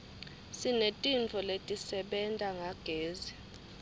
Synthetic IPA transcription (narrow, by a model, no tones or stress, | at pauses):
sinetʼint͡fʰɔletʼisɛɓɛntʼaŋaɡ̥ʱeːzi